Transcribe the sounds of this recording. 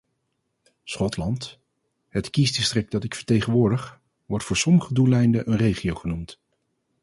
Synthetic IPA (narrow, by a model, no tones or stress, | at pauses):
sχɔtlɑnt | ɦətkisdɪstrɪk̚dɑtɪkfəɹtejχənʋʊːɹdəχ | ʋɔɹtfʊːɹsɔməχədulɛjndəʔənrejχiowχənumt